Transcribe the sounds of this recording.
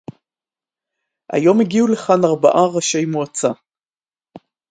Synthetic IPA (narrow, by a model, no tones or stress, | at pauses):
ʔa̰jo̞meɡiule̞χanaʁba̰ʔaʁaʃe̞jmuat͡sa